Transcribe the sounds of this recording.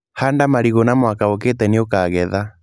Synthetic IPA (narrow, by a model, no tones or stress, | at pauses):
handamaɾiɣonamwakaoketɛniokaːɣɛða